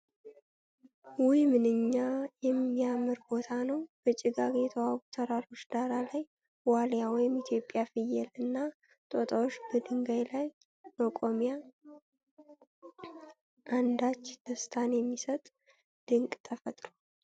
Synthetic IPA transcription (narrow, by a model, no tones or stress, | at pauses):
wʊjmɨnɨɲːajɛmːijamɨɾbo̞t̪ʰanəwb̥ət͡ʃʼɪɡaɡjɛt̪ʰəwaɡut̪ʰəɾaɾo̞t͡ʃːd̪aɾalaj | waljawɔjɪmɪt̪ʰjo̞pʼːjafɨjɛlɨnːa | t̪ʼot̪ʼawot͡ʃːbəd̪ɨŋɡajlaj | nokʼomija | ʔand̪at͡ʃːd̪əst̪ʰanjɛmːisət̪ʼ | d̪̥ɨŋkʼt̪ʰəfət̪ʼɾo